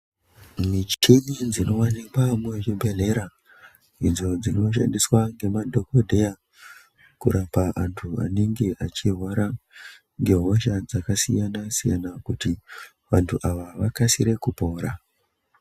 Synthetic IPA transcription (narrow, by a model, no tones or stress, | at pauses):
mit͡ʃi̥tʰeɗid͡zino̞wanikwamuet͡ʃibʱe̞ɮe̞ɾa | id͡zo̞d͡zino̞ʃ̬a̰ndiswaŋɡe̞madʱo̞ko̞dʱe̞ja | kuɾapaʔantʰua̰neŋɡe̞ʔat͡ʃirwaɾa | ŋɡe̞ɦoʃad͡zakasijanasija̰nakuti | ʋantʰuʔaʋaʋakasiɾe̞kupo̞ːɾa